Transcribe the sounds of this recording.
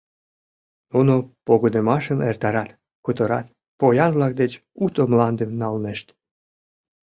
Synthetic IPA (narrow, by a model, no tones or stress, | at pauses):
nunopoɣonemɑʃəmert̪ɑɾɑt̪ | kut̪əɾɑ̰t̪ | pojɑnvlɑk̚d̪et͡ɕut̪omlɑnd̪emnɑlneʃt̪